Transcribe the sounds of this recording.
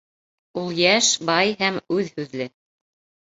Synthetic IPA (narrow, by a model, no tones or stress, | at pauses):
ulˠjæʃbɑjɦæmʉðhʉðlɘ